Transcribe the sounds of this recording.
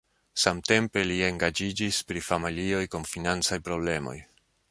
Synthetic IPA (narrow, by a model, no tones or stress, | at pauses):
samte̞mpe̞lie̞ŋɡad͡ʒid͡ʒispɾifamilio̞jkunfinant͡sajpɾo̞ble̞mo̞̰j